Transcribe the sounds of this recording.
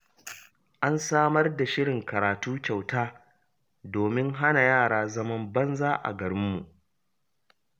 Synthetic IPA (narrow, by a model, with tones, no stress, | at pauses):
ʔa˦nsaː˦mɐ˦rda˨ʃɪ˦ɽɪ˨ŋkɐ˨ɾaː˨tuː˦t͡ʃa˨wtaː˦ | doː˨mɪ˦ŋɦa˦na˨jaː˦˨ɽaː˦zɐ˦mɐ˦mbɐ˦nzaː˦ʔa̰˨ɡɐ˨ɽɪ˦mːṵ˨ʔ